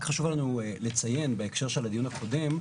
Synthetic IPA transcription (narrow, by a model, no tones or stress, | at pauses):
kχaʃuvalanuele̞t͡saje̞nbeekʃe̞ʁʃe̞lad̪ijunhakʰo̞de̞m